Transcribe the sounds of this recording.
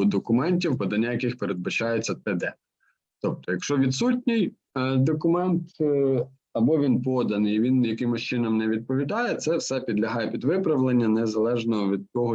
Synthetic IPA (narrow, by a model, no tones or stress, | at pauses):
d̪ɔkʊmɛnʲtʲiwpɐd̪ɐnʲːajɐkɪxpeɾed̪̚bɐt͡ʃɑjet͡sʲːɐt̪ɛd̪ɛ | t̪ɔp̚t̪ɔjɐkʃt͡ʃɔʋʲid̪sutʲnʲij | d̪ɔkʊmɛnt̪ | ɐbɔʋʲinpɔd̪ɐnɪjʋʲinjɐkɪmʊst͡ʃɪnɔmnɛʋʲid̪̚pɔʋʲid̪ɑjɛt̪sɛwsɛpʲid̪lʲɐɦɑjɛpʲid̪ʋɪpɾɐʋlˠenʲːɐnɛzɐlˠɛʒnɔɦɔʋʲid̪̚t̪ɔɦɔ